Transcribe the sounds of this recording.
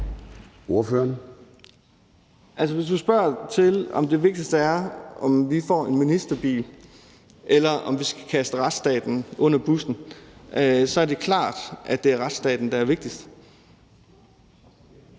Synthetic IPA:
o̝ɐføːɐn | ʔælsəʋe̝s̬d̥usb̥ɶɐ̰t͡sʰe̝lɒ̽md̥eʋe̝ɡ̥̚d̥isd̥æɐʔɒ̽mʋifɒ̰ːe̝nminisd̥ɐb̥ḭːl | ʔelɐʔɒ̽mʋisɡ̥æ̥kʰæsd̥əʁad̥sd̥ɛ̰ːd̥n̩ʔɔ̽n̰ɐb̥usn̩ | sɒ̽ɐd̥e̝kʰlɑ̰̈ːd̥ʔæd̥e̝æɐʁad̥sd̥ɛ̰ːd̥n̩d̥ɑ̈æɐʋe̝ɡ̥̚d̥isd̥

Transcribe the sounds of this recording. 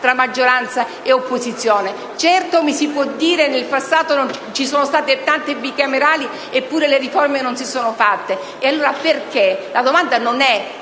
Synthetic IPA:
t̪ɾamːad͡ʒːoɾant̪sa | eopːozit̪sːjoːne | t͡ʃɛrt̪omisipwɔd̪ːiːɾenelpasːaːt̪onont͡ʃisoːnost̪aːt̪et̪ant̪ebikameɾaːli | epːuːɾeleriformenonsisoːnofat̪ːe | ealːoːɾaperkelad̪omand̪anonɛ

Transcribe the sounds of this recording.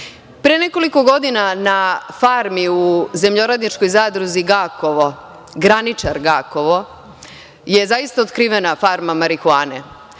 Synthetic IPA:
pɾeneko̞liko̞ɡo̞d̪inanafaɾmiuze̞mʎo̞ɾad̪nit͡ʃkojzaːd̪ɾuziɡakoʋo | ɡɾanit͡ʃaɾɡaːkoʋo̞ | jezaist̪aot̪kɾiːʋenafaɾmamaɾixuaːnḛ

